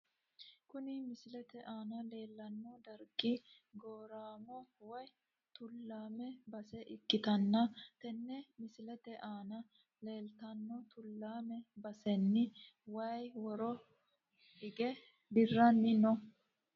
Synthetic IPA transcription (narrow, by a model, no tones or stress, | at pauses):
kʊnɪmɪsɪlɛt̪ɛʔaːnɐle̞ːlːɐnːɔd̪ɐɾkʼːi | ɡoːɾaːmɔwɔj | t̪ʊlːaːmɛbɐsɛʔɪkʼːɪt̪ɐnːɐt̪ɛnːɛmɪsɪlɛt̪ɛʔaːnɐ | le̞ːlt̪ɐnːɔt̪ʊlːaːmɛbɐsɛnːɪ | wɐjwɔɾɔ | ɪɡɛ | d̪ɪrːɐnːɪnɔ